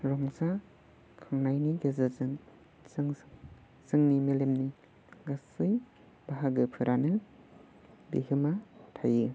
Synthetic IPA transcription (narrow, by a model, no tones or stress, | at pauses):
ɾɔŋsa | kʰɯŋnajniɡezɯzɯn | sɯŋ | sɯŋnimelemni | ɡasɯj | baɦaɡɯpʰɯɾʔanɯ | bḭhɯmatʰajɯ